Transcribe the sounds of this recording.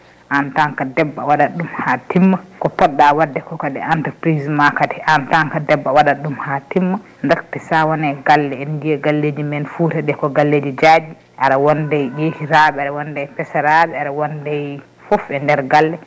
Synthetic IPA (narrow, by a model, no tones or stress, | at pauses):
ʔantaŋkadɛbːawaɗaɗumhatimːakɔpɔɗːawadːɛkɔkadɛ̰antəɾpɾizmakatɛʔantaŋkadɛbːawaɗaɗumhatimːa | ndɛɾtɛsawanɛɡalːɛɛndijɛɡalːeːd͡ʒimɛnfuːtɛɗɛkɔɡalːeːd͡ʒid͡ʒad͡ʒi | ʔaɾawɔndɛjjeːhiɾabɛaɾawɔndɛjpɛsaɾaɓɛaɾawɔndɛj | fɔfɛndɛɾɡalːɛ